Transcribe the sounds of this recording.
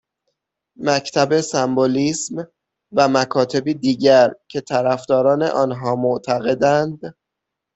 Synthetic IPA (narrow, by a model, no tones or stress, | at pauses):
mæcʰt̪ʰæbe̞sæmboliːsm | væmækʰɒːt̪ʰe̞biːd̪iːɟæɾcʰe̞t̪ʰæɾæfd̪ɒːɾɒːne̞̰ʔɒːnɦɒːmoʔt̪ʰæɣe̞d̪ænd̪